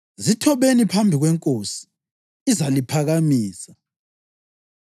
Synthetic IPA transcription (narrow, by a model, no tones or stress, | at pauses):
zitʰɔβenipʰambʱiɣwɛŋkʼosi̥ː | zalipʰaɣamiːsḁ